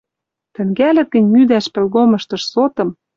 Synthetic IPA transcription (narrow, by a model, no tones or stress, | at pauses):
t̪ɘ̆ŋɡælʲɘ̆t̪ĕnʲmyd̪æʃpĕlɣomɤ̆ʃt̪ɤ̆ʃsot̪ɤ̆m